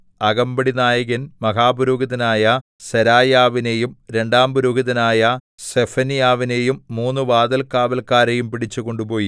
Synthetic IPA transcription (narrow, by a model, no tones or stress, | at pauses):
ɐɣɐmbɐɽinaːjɐɣɐnmɐɦaːbuɾuːɡɐðɐnaːjɐ | sɐɾaːjaːʋinejumɾe̞ɳɖaːmbuɾuːɡɐðɐnaːjɐ | sefɐnijaːʋine̞jumːuːnːɨʋaːd̪ɐlkaːbɐlkaːɾejumpiɽit͡ɕːuko̞ɳɖupo̞ːji